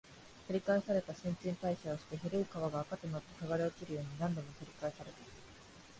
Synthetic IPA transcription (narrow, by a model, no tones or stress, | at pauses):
t̪oɾʲikaesaɾe̞t̪aɕĩɲt͡ɕĩnt̪aiɕaoɕi̥t̪e̞ɦeɾɯɯkaβaɡaːkat̪ːemoat̪ːokaɡaɾeokiɾɯ̟jo̞ːɲ̟inãnd̪õ̞mot̪oɾʲikaesaɾe̞t̪ḁ